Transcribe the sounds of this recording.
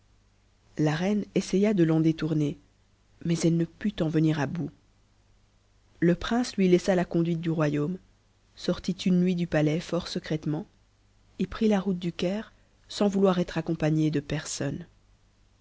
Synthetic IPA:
laʁɛnesɛjad̪əlɑ̃d̪et̪uʁne | mɛzɛlnəpyt̪ɑ̃vəniʁabu | ləpχɛ̃slɥilɛsalakɔ̃d̪ɥit̪̚d̪yʁwajom | sɔʁt̪it̪ʰynːɥid̪ypalɛfɔʁsəkχɛt̪mɑ̃ | epχilaʁut̪̚d̪ykʲɛːʁ | sɑ̃vulwaʁɛt̪χakɔ̃paɲed̪əpɛʁsɔn

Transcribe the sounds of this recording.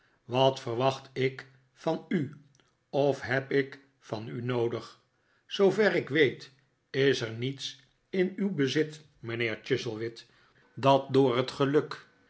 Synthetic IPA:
ʋɑtfərʋɑχtɪk | fɑny | ɔfɦɛpɪk | fɑnynowdəχ | sowvɛrɪkʋejt | ɪsəɹnits | ɪnywbəzɪt | mənɪːɹt͡ʃɪzəlˠʋɪt | dɑt̚dʊːɹɦətχəlɵk

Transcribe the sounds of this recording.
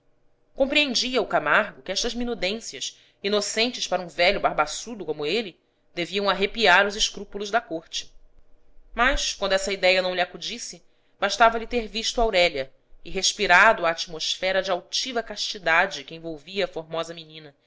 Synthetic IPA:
kõmpɾiẽnd͡ʒiɐʊkamaɾɡʊkɪɛʃt̪ɐzminud̪ẽsiɐs | inosẽnt͡ʃɪspaɾɐũvɛʎʊbaɾbasud̪ʊkõmʊelɪ | d̪eviɐ̃w̃aɦepiaɾʊzɪʃkɾupulʊzd̪ɐkoɾt͡ʃɪ̥ | maʃkwɐ̃nd̪ʊɛsɐid̪ɛjɐnɐ̃w̃liakud͡ʒisɪ | b̥aʃt̪avɐlɪt̪eɾviʃt̪ʊawɾɛlɐ | ɪɦeʃpiɾad̪ʊaːt͡ʃimoʃfɛɾɐd͡ʒɪawt͡ʃivɐkaʃt͡ʃid̪ad͡ʒɪkɪẽvowviɐːfoɾmɔzɐminĩnɐ

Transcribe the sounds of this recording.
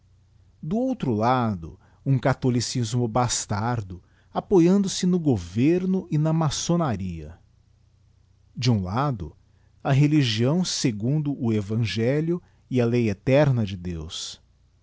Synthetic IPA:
d̪ʊowt̪ɾʊlad̪ʊ̰ | ũkat̪olisizmʊbast̪aɾd̪ʊ | apojɐ̃nd̪ʊsɪnʊɡoveɾnʊʔɪnɐmasonaɾiɐ̰ | d͡ʒɪũlad̪ʊ̰ | ɐɦeliʒiɐ̃w̃seɡũnd̪ʊʔʊevɐ̃ʒɛljʊ | ɪɐlejet̪ɛɾnɐd͡ʒɪd̪ḛws

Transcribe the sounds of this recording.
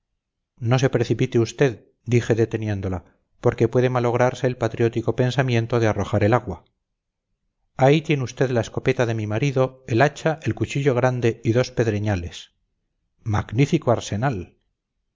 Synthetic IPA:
no̞se̞pɾe̞θipit̪eust̪e̞ð | d̪ixe̞ðe̞t̪e̞nje̞nd̪o̞la | po̞ɾke̞pwe̞ðe̞malo̞ɣ̞ɾaɾse̞ːlpat̪ɾijo̞t̪iko̞pe̞nsamje̞nt̪o̞ðearo̞xaɾe̞laɣwa | ait̪je̞neust̪e̞ðlae̞sko̞pe̞t̪aðe̞mimaɾiðo̞e̞lat͡ʃaʔe̞lkut͡ʃiʎo̞ɣ̞ɾand̪eiðo̞spe̞ðɾeɲale̞s | maɡnifikoaɾse̞nal

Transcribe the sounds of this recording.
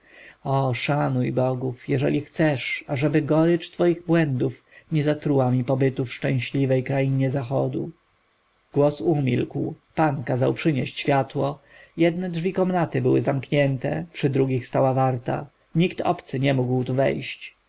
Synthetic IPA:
ɔʂanujbɔɡufjɛʐɛ̰lʲixt̪sɛʂaʐɛbɘɡɔɾɘt͡ʂt̪fɔjiɣbwɛnd̪uf | ɲɛzat̪ɾuwamʲipɔbɘt̪ufʂt͡ʂɛ̃w̃ɕlʲivɛjkɾajiɲɛzaxɔd̪ṵ | ɡ̥wɔsumʲilkw | pankazawpʂɘɲɛɕt͡ɕɕfʲjat̪wɔ | jɛd̪nɛdʐvʲikɔmnat̪ɘbɘwɘ̰zamkɲɛnt̪ɛ̰pʂɘd̪ɾuɡʲixst̪awavaɾt̪a̰ | ɲikt̪ɔ̰pt̪sɘɲɛmuɡwt̪uvɛ̰jɕt͡ɕ

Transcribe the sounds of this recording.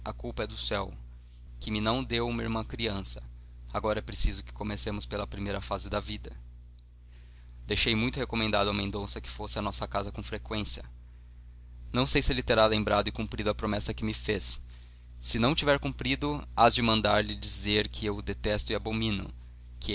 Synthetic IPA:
ɐkuwpɐɛd̪ʊsɛw | kɪmɪnɐ̃w̃d̪ewumiɾmɐ̃kɾiɐ̃sɐ̥ | aɡɔɾɐɛpɾesizʊkɪ̥komesẽmʊspelɐpɾimejɾɐfazɪd̪ɐvid̪ɐ | d̪ejʃejmũj̃t̪ʊhekomẽnd̪ad̪ʊɐmẽnd̪õsɐkɪ̥fosɪɐnɔsɐkazɐkõw̃fɾekwẽsiɐ | nɐ̃w̃sejsɪelɪt̪eɾalẽmbɾad̪ʊɪkũmpɾid̪ʊɐpɾomɛsɐkɪmɪfesː | ɪnɐ̃w̃t͡ʃivɛɾkũpɾid̪ʊazd͡ʒɪmɐ̃nd̪aɾlɪd͡ʒizeɾkʰɪewd̪et̪ɛst̪ʊɪabomĩnʊ̰ | kɪ

